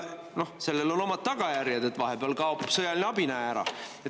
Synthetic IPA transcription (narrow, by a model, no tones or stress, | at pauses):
no̞hse̞lːelo̞no̞mɑd̪̥̚t̪ɑɡ̥ɑjæɾjɑd̪e̞t̪vɑɦepeɑlkɑopupsɤjɑlʲineɑbinæeæɾɑ̰e